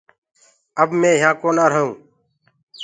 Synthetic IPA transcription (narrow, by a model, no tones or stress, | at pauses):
əbmẽːɪɦãːkoːnaːɾəɦũː